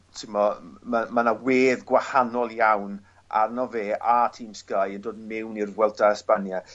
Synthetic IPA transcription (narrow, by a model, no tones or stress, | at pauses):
tʰɪmɔmamanaweːðɡwahanɔlˠjawn | ʔa̰rnɔveːʔatʰiːmskajəndoːdmɪwnirwɛlˠdaəspanja